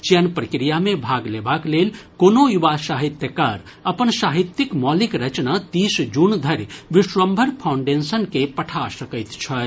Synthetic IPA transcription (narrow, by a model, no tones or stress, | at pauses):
t͡ʃjənpɾəkɾijamẽbʱaɡlebaklelkonojuʋasaɦit̪jəkaɾ | əpənsaɦit̪ːikmɔlikɾət͡ʃnat̪isd͡ʒund̪ʱəɾʋiʃʋəmbʱəɾpʰawɳɖensənkepəʈʰasəkəjt̪t͡ʃʰə